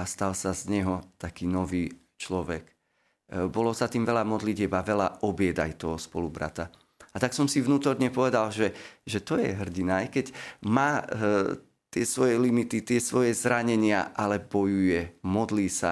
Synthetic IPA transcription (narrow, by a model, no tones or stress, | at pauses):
ast̪alsazɲɛɦɔt̪akiːnɔʋiː | t͡ʃlɔʋɛk | bɔlɔsat̪iːmʋɛlamɔd̪liɟɪɛbaʋɛla̰ɔbɪɛd̪ajt̪ɔɦɔspɔlubɾa̰t̪a | at̪aksɔmsivnuːt̪ɔɾɲɛpɔʋɛd̪alʒɛʒɛt̪ɔjɛ̰ɦr̩ɟinajkɛɟmaː | t̪ɪɛsʋɔjɛlimit̪it̪ɪɛsʋɔjɛzɾaɲɛɲɪa̰ʔalɛbɔjujɛmɔd̪liːsa̰